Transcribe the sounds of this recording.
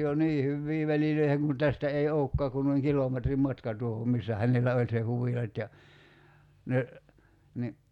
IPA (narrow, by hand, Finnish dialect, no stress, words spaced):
jo niː hyʋːiː ʋæliløiheŋ kun tæstæ ei oo̝kːɑː kun noiŋ kiloˑmetrim mɑtkɑ tuohom misːæ hænelˑæ olʲ se huʋilɑt jɑ ne ni